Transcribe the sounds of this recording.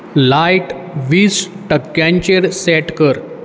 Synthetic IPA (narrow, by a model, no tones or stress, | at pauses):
lajʈ | ʋiːs | ʈəkːjãɲt͡ɕeɽsɛʈkəɾ